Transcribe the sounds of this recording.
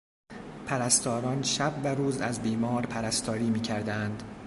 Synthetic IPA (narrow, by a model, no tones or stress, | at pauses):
pʰæɾæst̪ʰɒːɾɒːnʃæb̚ːæɾuːzæzbiːmɒːɾpʰæɾæst̪ʰɒːɾiːmiːcʰæɾd̪ænd̪̥